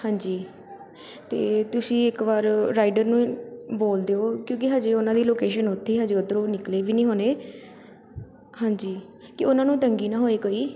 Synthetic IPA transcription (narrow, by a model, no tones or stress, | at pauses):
hãːɲd͡ʒiː | t̪ḛːt̪ʊsĩːɪkʋaːɾɾaːɪɖəɾnũːboːld̪eːoːkjõːk̬ɪɦəd͡ʒeːʊnãːd̪iːloːkeːʃənʊt̪ʰːeːɦəd͡ʒeːʊd̪ɾõːnɪkleːʋiːnĩːɦoːneː | hãːɲd͡ʒiː | kɪʊnãːnũːt̪əŋɡiːnãːɦoːeːkoiː